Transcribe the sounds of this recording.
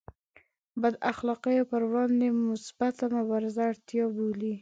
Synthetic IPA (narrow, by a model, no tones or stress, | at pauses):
bad̪axlɑqəjopəɾwɽɑnd̪emʊsbat̪amʊbɑɾɪzaːɽt̪jɑboli